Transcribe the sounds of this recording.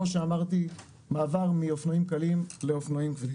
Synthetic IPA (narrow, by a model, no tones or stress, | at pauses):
oʃeamaʁt̪i | maːvaʁmiofnoimkalimle̞ofnoimkvi